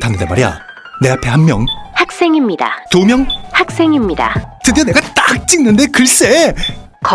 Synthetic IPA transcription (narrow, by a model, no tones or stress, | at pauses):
tʰanːɯndema̰ɾija̰ | ne̞apʰe̞hanmjʌŋhak̚s͈e̞ŋimɲida̰tomjʌŋhak̚s͈e̞ŋimɲida̰tɯdene̞ɡat͈ak̚t͡ɕ͈iŋnɯnde̞kɯɭs͈e̞ | kʌ